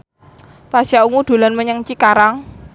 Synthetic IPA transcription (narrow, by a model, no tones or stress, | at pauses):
pasauŋuɖ̪̥o̤lanməɲəŋt͡ʃikaɾaŋ